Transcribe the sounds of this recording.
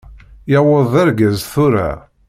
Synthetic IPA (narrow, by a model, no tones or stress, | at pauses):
jæwəðˤæɾɡæzθuɾa̰